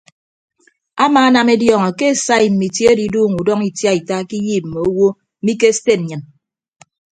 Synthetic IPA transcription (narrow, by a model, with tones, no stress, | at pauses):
a˦maː˨˦a˦na˨me˦djɔː˨ŋɔ˨ke˦˨sa˦i˨m̩˨mi˨te˦di˨duː˦˨ŋu˨dɔ˦ŋi˨tja˦i˨ta˦ki˦jiː˦˨p̚m̩˨me˨o˦wo˦ | mi˦k̬e˦ste˦˨n̩˨ɲɨ˨n